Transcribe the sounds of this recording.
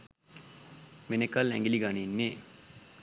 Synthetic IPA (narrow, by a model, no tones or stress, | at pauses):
menekəlɛ̰ŋɡiliɡaninːeː